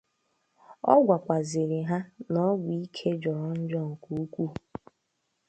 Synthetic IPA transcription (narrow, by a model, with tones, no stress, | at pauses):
ɔ̰˦ɡʷa˨kʷa˨zɪ˨ɾɪ˨ɦa˦nɔ˦ɡʷi˨˦kʰe˦d͡ʒɔ˨ɾɔ˦n̩˦d͡ʒɔ˦ŋ̩˨ku˨u˦kʷu˦